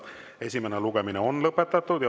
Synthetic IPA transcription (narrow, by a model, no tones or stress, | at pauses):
e̞sʲimeneluɡemineo̞nlɤpːˑet̪ːˑɑt̪ːˑud̪̥jɑ